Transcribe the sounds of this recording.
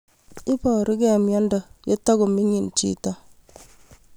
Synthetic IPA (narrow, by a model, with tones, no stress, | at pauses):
i˦pɔ˨ɾi˦kɛ˨mjɔ˦ndɔ˦˨je˦ta˦ɡo˨mi˦ɲi˨n˨t͡ʃḭ˦˨ta˦